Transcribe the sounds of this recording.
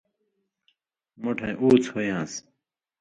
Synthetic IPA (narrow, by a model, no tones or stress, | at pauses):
moʈʰɐ̃jʔuːt͡shojãːs